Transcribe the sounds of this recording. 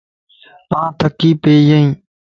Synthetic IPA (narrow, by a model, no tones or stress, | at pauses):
ãːt̪ʰəkːiːpeːjəĩː